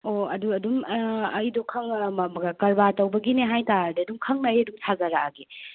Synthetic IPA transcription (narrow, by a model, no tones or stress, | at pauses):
oɐduɐdumɐjdɔkʰɐŋmɐmɐɡakɐɾbatɐwbɐɡineɦajtaɾdeɐdumkʰɐŋnajɐduŋtʰazaɾaɡi